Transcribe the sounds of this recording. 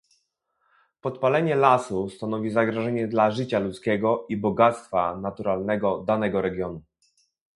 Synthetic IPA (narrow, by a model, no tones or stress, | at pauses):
pɔt̪palɛɲɛlasust̪anɔvʲizaɡɾɔʐɛɲɛd̪laʐɘt͡ɕalut̪skʲɛɡɔʔibɔɡat̪st̪fanat̪uɾalnɛɡɔd̪anɛɡɔɾɛɡʲjɔnu